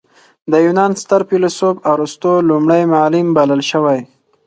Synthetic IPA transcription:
d̪əjunɑnst̪əɾpilosobaɾust̪olumɽajmalɪmbaləlʃəwaj

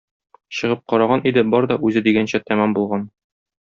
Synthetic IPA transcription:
ɕɤ̆ʁɤp̚qɒɾɑʁɑnʔid̪ɘbɒɾd̪ɒʔʉzɘd̪iɡænɕæt̪æmæmbulˠʁɑn

